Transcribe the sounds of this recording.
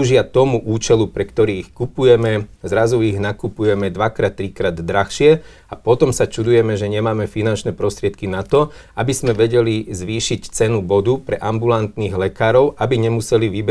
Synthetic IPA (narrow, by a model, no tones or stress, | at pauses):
ʒɪat̪ɔmuʔuːt͡ʃɛlupɾɛkt̪ɔɾiːixkupujɛmɛzɾazuiɣnakupujɛmɛd̪ʋakɾaːt̪ːɾikɾaːd̪d̪ɾaxʃɪɛ | apɔt̪ɔmsat͡ʃud̪ujɛmɛʒɛɲɛmaːmɛfinant͡ʃnɛpɾɔst̪ɾɪɛt̪̚kinat̪ɔ | abizmɛʋɛɟɛlizʋiːʃict͡sɛnubɔd̪upɾɛʔambulant̪niːɣlɛkaːɾɔʊʔabiɲɛmusɛliʋibɛ